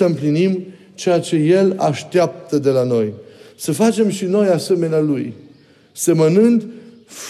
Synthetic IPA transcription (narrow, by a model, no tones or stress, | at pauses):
əɨmplinim | t͡ʃe̞jat͡ʃe̞je̞la̰ʃt̪eap̚t̪əd̪e̞lano̞jsəfat͡ʃe̞mʃino̞jase̞me̞nealuj | se̞mənɨnd̪ | f